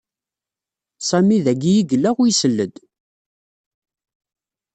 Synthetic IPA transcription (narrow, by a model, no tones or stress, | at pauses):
sˤæmiðæɡijiɡəlːæʁujsəlːəd̪